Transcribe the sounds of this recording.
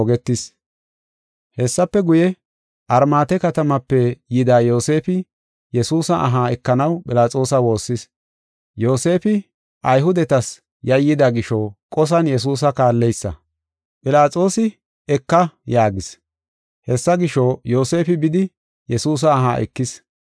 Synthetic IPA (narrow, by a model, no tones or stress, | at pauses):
ɔɡɛt̪ːɪs | hɛsːɐpːɛɡʊjɛ | ʔɐɾmaːt̪ɛkɐt̪ɐmɐpːɛjɪd̪aːjo̞ːse̞ːfɪ | jɛsuːsɐʔɐɦaːɛkːɐnɐwpʼɪlaːt͡sʼo̞ːsɐwo̞ːsːɪs | jo̞ːse̞ːfɪ | ʔɐjɦʊd̪ɛt̪ɐs | jɐjːɪd̪aɡɪʃɔkʼɔs̬ɐnjɛs̬uːs̬ɐkaːlːɛjsːɐ̰ | pʼɪlaːt͡sʼo̞ːsɪ | ɛkːɐjaːɡɪs | hɛsːɐɡɪʃojo̞ːse̞ːfɪbɪd̪ɪ | jɛsuːs̬ɐːɦa̰ːʔɛ̰kːɪs